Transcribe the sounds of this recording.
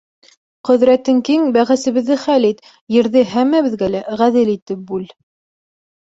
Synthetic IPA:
qɵ̆ðɾæt̪ɘŋkiŋbæʁæsɘ̆βɘ̆ðːɘχælit̪ | jɘ̆ɾðɘɦæmːæβɘ̆ðɡælæʁæðɘlit̪ɘp̚bʉl

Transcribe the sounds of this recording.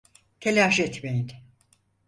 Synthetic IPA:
c̪ʰelʲaʃɛt̪mejin

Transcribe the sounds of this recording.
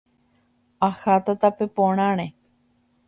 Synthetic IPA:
axat̪at̪apepõɽ̃ãɾ̃ẽ

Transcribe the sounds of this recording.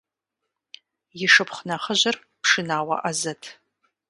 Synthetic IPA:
jɪʂɨpχʷnɐχəʑɐr | pʰʂɨnaːwɐ̰ʔazɐtʰ

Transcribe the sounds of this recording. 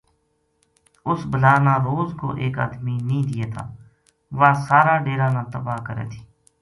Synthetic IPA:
ʊsbəlaːnãːɾoːzko̰ːʔeːka̰ːd̪miːnəĩːd̪ɪjeːt̪ʰa̰ː | ʋaːsaːɾaːɖeːɾaːnãːt̪əbaːkəɾɛ̰ːt̪ʰi̥ː

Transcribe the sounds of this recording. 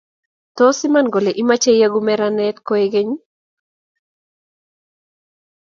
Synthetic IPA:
t̪ɔsimanɡoleʔimat͡ʃejaɡumɛɾanɛt̪kɔeɡeɲ

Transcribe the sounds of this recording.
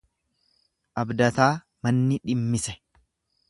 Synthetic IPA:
ʔɐbd̪ɐt̪aː | mɐnːɪᶑɪmːɪsɛ̥

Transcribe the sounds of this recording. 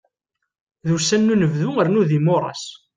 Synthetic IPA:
ðusænːunəvðʊəɾnuðimoɾˤɑ̰s

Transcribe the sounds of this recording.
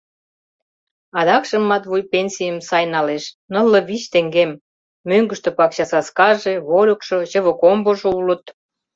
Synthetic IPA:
ɑd̪ɑkʃə̆mːɑt̪βujpenʲsʲijəmsɑjnɑleʃnə̆lːə̆βit͡ɕt̪eŋɡemː | øŋɡə̆ʃt̪ŏpɑkɕɑsɑskɑʒeβoɾʲokʃoʑə̆βə̆komboʒŏulə̆t̪

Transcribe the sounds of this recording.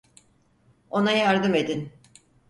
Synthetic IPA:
o̞najaɾd̪ɯme̞d̪in

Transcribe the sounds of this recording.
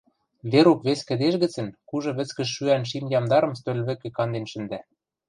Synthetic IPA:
βeɾukβeskɘ̆d̪eʃ̬ɣɘ̆t͡sɘ̆nkuʒɤ̆βɘ̆t͡skɘ̆ʃːyænʃimjɑmd̪ɑɾɤ̆mst̪ølʲβɘ̆kĕkɑnd̪enʃɘ̆nd̪æ

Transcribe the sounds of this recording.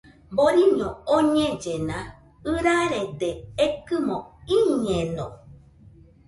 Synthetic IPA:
boɾiɲõoɲẽd͡ʒenã | ɨɾaɾedeekɨmõiɲẽnõ

